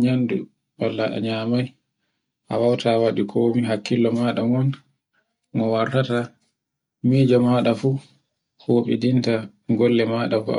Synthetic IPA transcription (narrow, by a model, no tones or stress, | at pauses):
ɲandu | walːaʔa̰ɲaːmaj | ʔawawtawaɗikʰoːmiɦakːilːɔmaːɗaŋɔn | ŋɔwaɾtata | miːd͡ʒɔmaɗafu | hoɓidinta | ɡɔlːɛmaɗafua̰